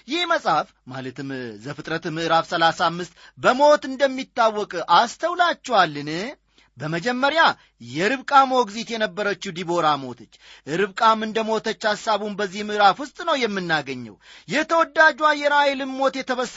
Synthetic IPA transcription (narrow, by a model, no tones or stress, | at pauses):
jɪhməsʼhaf | ma̰lət̪ɨmzəfɨt̪ʼɾət̪mɨʔɨɾafsəlasamːɨst̪ | bəmo̞t̪ɨnd̪əmːit̪ːawːɔkʼʔast̪ʰəwlat͡ʃːɛwalːɨnɨ | bəməd͡ʒɛmːəɾja | jɛɾɨβkʼamo̞ɡzit̪jɛnəbːəɾət͡ʃːud̪ibo̞ɾamo̞̰t̪ʰət͡ʃːʔɨɾɨβkʼamːɨnd̪əmo̞t̪ʰət͡ʃːasːaβumbəzːihmɨʔɨɾafwʊst̪ʼnəwjɛmːɨnːaɡəɲːə̰wjɛt̪ʰəwɔd̪ːad͡ʒuajːɛɾaelɨmmo̞t̪jɛt̪ʰəβəs